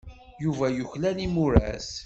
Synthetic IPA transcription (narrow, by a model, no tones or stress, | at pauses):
juvæjʊçlænimʊɾæ̰s